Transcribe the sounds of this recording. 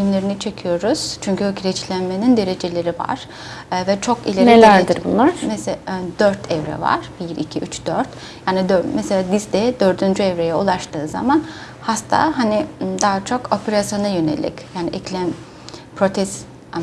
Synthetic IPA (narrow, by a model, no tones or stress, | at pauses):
ilimlʲe̞ɾinit͡ʃʰe̞cʰijo̞ɾuz̥t͡ʃʰyɲcyøkɾɛt͡ʃlʲænme̞nind̪e̞ɾe̞d͡ʒe̞lʲe̞ɾiva̰ɾ̥ | vɛt͡ʃʰo̞kḭlʲeɾnelʲæɾd̪iɾbṵnlˠaɾmɛsd̪øɾt̪ʰɛvɾɛ̰va̰ɾ̥biɾicʰiʔyt͡ʃd̪øɾt̪ | jaːnid̪ømɛselʲaːd̪izd̪ɛd̪øɾd̪ynd͡ʒyɛvɾejɛulˠaʃt̪ʰɯːza̰man | hast̪ʰa̰ːɦanid̪aɦat͡ʃʰo̞ko̞pʰeɾasjo̞najø̞ne̞̰lʲḭcjaːniʔɛclʲæn | pʰɾo̞t̪ʰɛs | a